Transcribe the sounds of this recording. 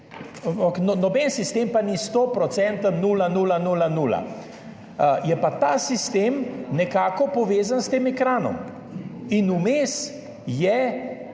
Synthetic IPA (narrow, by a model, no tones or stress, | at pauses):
aaknɔnɔbɛnsist̪eːmpanist̪opɾɔt̪sɛnt̪ənuːlanuːlanuːlanuːla̰ | jɛpat̪aːsist̪eːmnɛkaːkɔpɔʋeːzanst̪eːmɛkɾaːnɔ̰m | inumeːs | jɛ